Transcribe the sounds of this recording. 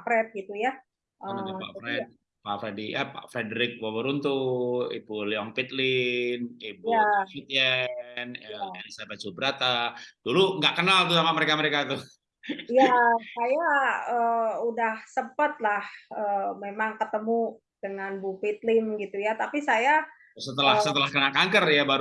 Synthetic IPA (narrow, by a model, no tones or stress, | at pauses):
apɾɛt̪̚ɡit̪uja | ʔəa̰pɾɛt̪̚ | pafɾedijapa̰fɾedəɾɪk̚wawəɾunt̪uḭpuliɔŋpit̪lɪnipuait̪iənəelisabat͡ʃubəɾat̪ad̥uluŋɡaʔkənalt̪usamaməɾekaməɾekat̪u | jasajaəudahsəmpət̪̚lahəmemaŋkət̪əmu | d̥əŋanbufit̪̚lɪmɡit̪ujat̪apisaja | sət̪əlahsət̪əlahkənalkaŋkərjabaɾ